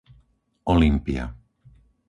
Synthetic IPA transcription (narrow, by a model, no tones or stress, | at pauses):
ʔɔlimpia̰